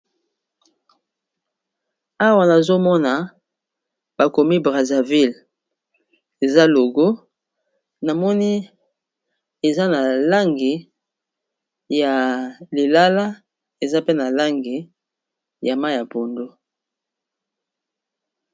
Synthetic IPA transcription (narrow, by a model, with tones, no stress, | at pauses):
a˦wa˨na˨zo˦mɔ˦na˨ | b̥a˨ko˨mi˦bʁa˨za˨vi˦l | e˨za˦lo˨ɡo˦ | na˨mɔ˦ni˦ | e˨za˦na˨la˦ŋɡi˨ | ja˨li˨la˦la˦ | e˨za˦pe˦na˨la˦ŋɡi˨ | ja˨ma˦ja˨po˨ndo˦